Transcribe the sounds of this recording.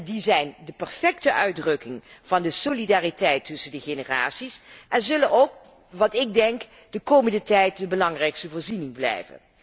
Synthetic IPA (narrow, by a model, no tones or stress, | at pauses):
dizɛjndəpɛɹfɛktəʔœɥdrɵkɪŋv̥ɑndəsolidaːritɛjtːɵsəndəχenəra̰ːtsisʔɛnzɵlənowk̚ | ʋɑtɪɡ̚dɛŋk | d̥əkoːməndətɛjt̚dəbəlɑŋrɛjkstəvoːɹzinɪŋblɛ̰jvə̰n